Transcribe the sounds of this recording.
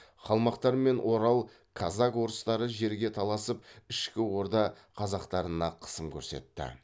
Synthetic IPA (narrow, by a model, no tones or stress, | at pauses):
χɑlˠmɑqt̪ɑɾme̞nwʔo̞ɾɑlˠ | kʰɑzɑkwo̞ɾəst̪ɑɾəʒe̞ɾɡʲe̞t̪ʰɑlˠɑsəp̚ɪʃkʲɪwo̞ɾd̪ɑ | qʰɑzɑqt̪ɑɾənɑqʰə̥səmkʲʰɵɾse̞̰t̪ːɪ̰